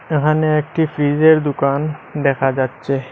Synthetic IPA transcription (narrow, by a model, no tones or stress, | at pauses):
ekʰaneɛkʈifɾizeɾd̪ukand̪ɛkʰad͡ʑatːɕʰe